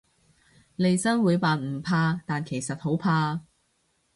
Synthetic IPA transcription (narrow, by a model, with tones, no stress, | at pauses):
le˨jsɐ˥ŋwuː˨˧jpaː˨nm̩˨˩pʰaː˧t̪aː˨nkʰe˨˩jsɐ˨t̚ho˨˥wpʰaː˧